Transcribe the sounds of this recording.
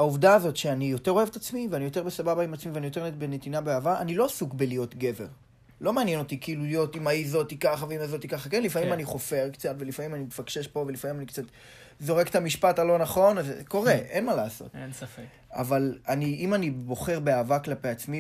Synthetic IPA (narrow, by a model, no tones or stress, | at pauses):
auvdaːzo̞tʃeanijo̞te̞ʁo̞evetat͡smiveanijo̞t̬e̞ʁbesababaimat͡smiveanijo̞t̬e̞ʁnebenetinabeaːvaʔanilo̞asukbelijo̞tɡe̞ve̞ʁ | lo̞maːnjeno̞tikiːlulijo̞timaizo̞tikaχaveimaizo̞t̪ikaχakenlifamimaniχo̞fe̞ʁkt͡satve̞lifamimanimefaɡ̥ʃe̞ʃpo̞ve̞lifamimanikt͡sat | zo̞ʁekt̪amiʃpatalo̞naχo̞nazko̞ʁeʔenmalaːso̞̰tensafek | a̰valaniimanibo̞χe̞ʁbeaːvaklapeat͡smi